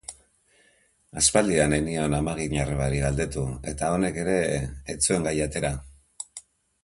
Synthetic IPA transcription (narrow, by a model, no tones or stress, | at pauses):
aspald̪ianenionamaɣ̞iɲareβaɾiɣald̪e̞t̪ue̞t̪ao̞ne̞ke̞ɾe̞ːt͡sue̞ŋɡajat̪e̞ɾa